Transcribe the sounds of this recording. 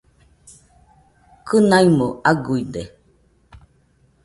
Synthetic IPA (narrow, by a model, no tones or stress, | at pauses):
kʰɨnaimoaɡuide